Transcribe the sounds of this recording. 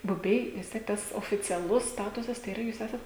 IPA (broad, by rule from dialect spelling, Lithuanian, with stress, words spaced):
bʊˈbʲɛɪ ʋʲɪs ˈtʲiɛk ˈtɐs oːfʲɪt͡sʲɛˈlˠʊs ˈstɑːtʊsɐs tɐɪ iːˈrɐ juːs ˈæːsɐt